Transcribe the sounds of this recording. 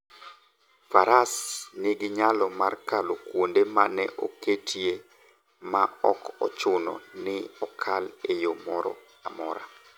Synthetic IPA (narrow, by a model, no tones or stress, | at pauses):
faɾasnɪɡɪɲalɔmarkalokwondemanɛʔoketʰje | maɔkɔ̰t͡ʃʊnɔ̰nɪɔkʰalejomɔɾɔ̰ | amɔɾa̰